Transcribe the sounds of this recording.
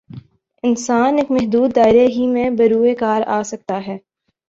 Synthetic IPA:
ɪnsaːneːkmɛɦd̪uːd̪ːaːɪɾeɦimẽbɐɾuːekaːɾaːsɐk̚t̪aɦɛː

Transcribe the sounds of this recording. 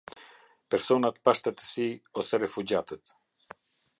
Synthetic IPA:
pɛɾsɔnat̪paʃt̪ɛt̪ə̥siɔsɛɾɛfud͡ʑat̪ət̪

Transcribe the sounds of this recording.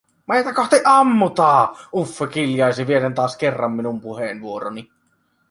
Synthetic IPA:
mɑˑjt̪ɑkɑht̪iʔʔɑmːut̪ɑːufːekiljɑˑesiʋierent̪ɑːskerːɑmːinumpuheːnʋuoro̰ni

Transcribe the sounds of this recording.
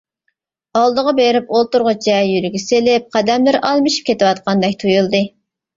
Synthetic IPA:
ɑlˠd̪əʁɑbeɾɪpolˠt̪uɾʁʊt͡ʃɛjyɾɪɡʲɛselɪp̚qʰɑd̪ɛmlɪɾʔɑlˠmɨʃi̥p̚kʲʰet̪ɪwɑt̪̚qʰɑnd̪ɛkʲt̪ʰujulˠd̪ɨ

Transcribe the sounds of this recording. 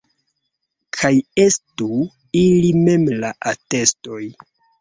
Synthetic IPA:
kʰaje̞stu | ilime̞mlaʔate̞sto̞j

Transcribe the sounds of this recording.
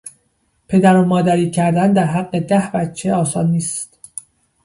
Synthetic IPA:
pʰe̞d̪æɾomɒːd̪æɾiːcʰæɾd̪ænd̪æɾɦæɢːe̞d̪æhbæt̪t͡ʃʰːe̞ɒːsɒːnːiːst̪

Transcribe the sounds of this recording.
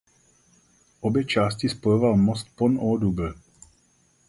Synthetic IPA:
ɔbɛt͡ʃascispɔjɔʋalmɔst̪̚pɔnɔːd̪ub

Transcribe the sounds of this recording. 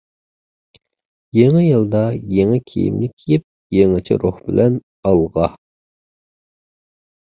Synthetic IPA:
jeŋɪjɨlˠd̪ɑjeŋɪkʲʰḭjḭmlɪkʲʰejip̚ | jeŋɪt͡ʃʰɪ̰ɾuhbɪlʔɛn | ɑlˠʁɑ

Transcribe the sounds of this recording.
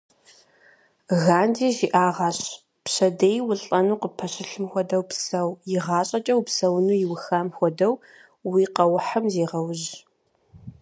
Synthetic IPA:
ɣaːndiːʒiʔaːʁɑɕ | pɕɐdeːjwʊɬʼɐnuːqəpʰɐɕɪɬɨmxʷɔdɐwpsɐwjɪʁɑːɕʼɐt͡ʃʼɐwpsɐwnuːjɪwʊxaːmxʷɔdɐw | wiːqɐwʊħamzeːʁɐwʊʑ

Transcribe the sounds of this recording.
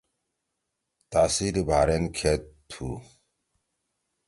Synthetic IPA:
t̪asiɾibʱaːɾenkʰet̪t̪ʰu

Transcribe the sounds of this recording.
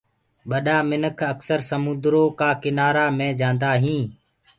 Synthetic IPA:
ɓəɗaːmɪnəkʰəksəɾsəmʊ̃nd̪ɾoːkaːkɪnaːɾaːmẽːd͡ʒãːnd̪aːɦĩː

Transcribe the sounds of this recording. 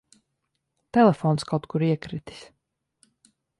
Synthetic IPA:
t̪ɛlɛfɔːnskawt̪kuɾiɛkɾit̪i̥s

